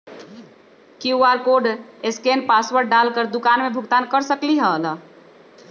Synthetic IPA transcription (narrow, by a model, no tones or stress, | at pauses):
kiuaɾkoɖeskenpaswəɾɖalkəɾd̪ukanmebʱʊɡt̪ankəɾsəkliɦələ